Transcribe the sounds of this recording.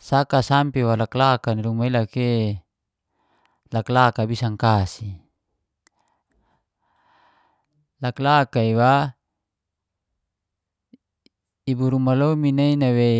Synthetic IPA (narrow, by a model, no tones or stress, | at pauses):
sakasampiwalaklakaniɾumailake | laklakabisaŋkasi | laklakaiwa | ibuɾumalominainawe